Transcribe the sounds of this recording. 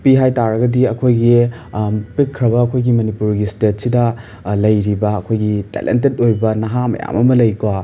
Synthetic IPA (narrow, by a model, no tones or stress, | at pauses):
piɦajtaɾɐɡɐdiɐkʰojɡi | pikʰːɾɐbɐːkʰojɡimɐnipuɾɡistet̚sidɐ | lɐjɾibɐːkʰojɡitḛlḛntet̚ojbɐnɐɦamɐ̰ja̰mɐmɐlɐjkwa